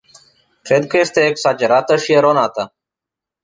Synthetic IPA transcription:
kɾeːd̪kəest̪eːeksaːd͡ʒəɾaːt̪əʃieɾoːnaːt̪aː

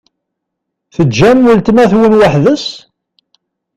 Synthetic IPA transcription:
θəd͡ʒːæmːəlt̪næθwənwaħðəs

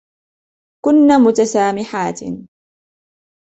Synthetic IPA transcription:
kʊnːaːmʊt̪asaːmɪħaːt̪

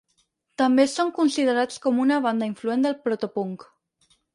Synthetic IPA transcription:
t̪ambesoŋkunsið̞eɾat͡skomunaβ̞and̪aiɱfluend̪elpɾot̪opuŋk

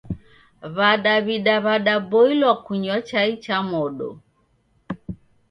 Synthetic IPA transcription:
βaɗaβiɗaβaɗaboilɔkuɲɔt͡ʃait͡ʃamɔɗɔ̰

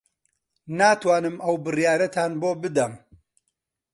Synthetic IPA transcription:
naːt̪waːnɨmɐwbɨrjaːɾɐt̪ʰaːnboːbɨd̪ɐm

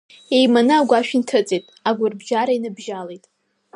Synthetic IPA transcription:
ejmanɨaɡʷaʃᶣintʰɨt͡sʼetʼaɡʷʊrbʒaɾainɨbʒalejtʼ

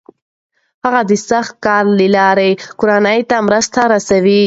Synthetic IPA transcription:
haɣad̪əsaxt̪̚kɑɾlilɑɾekʊɾanəjt̪amɾəst̪aɾasawi

